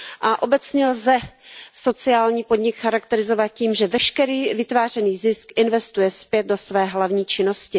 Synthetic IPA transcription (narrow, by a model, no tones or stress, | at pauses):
ʔaʔo̞bɛt͡sɲɛlzɛso̞t͡sɪaːlɲiːpo̞dɲɪkxaɾakt̪ɛɾɪzovat̪̚ciːmʒɛvɛʃkɛɾiːvɪt̪vaːr̝ɛniːzɪskʔɪnvɛst̪ujɛspjɛd̪̚do̞svɛːɦlavɲiːt͡ʃɪno̞scɪ